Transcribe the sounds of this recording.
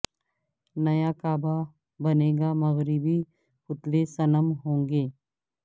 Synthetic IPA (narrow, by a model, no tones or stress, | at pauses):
nɐjakaːba | bɐneːɡamɐɣɾɪbi | pʊt̪lesɐləmɦõːŋɡeː